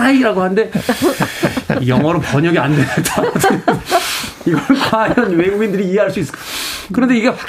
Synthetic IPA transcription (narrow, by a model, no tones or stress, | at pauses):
aiɾaɡoɦannde̞ | jʌŋɦwʌɾoɭpʌɲʌɡiandwe̞nt͡ɕʰad͡ʑ | iɡʌɭkajjʌnwe̞ɡuɡindɯɾiːɦe̞ɦaɭs͈uis͈kkɯɾʌnde̞iɡe